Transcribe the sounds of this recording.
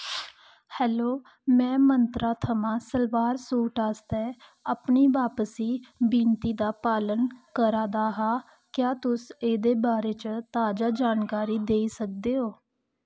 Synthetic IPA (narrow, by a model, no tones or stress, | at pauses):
hɛːloː | mɛ̃ːmənt̪ɾaːt̪ʰəmãːsəlʋaːɾsuːʈaːst̪ɛː | apniːʋaːpəsiːbiːnt̪iːd̪aːpaːlənkəɾaːd̪aːɦaː | kjaːt̪ʊseːd̪eːbaːɾeːt͡ʃət̪aːd͡ʒaːd͡ʒaːnkaːɾiːd̪eːiːsək̚d̪eːɦoː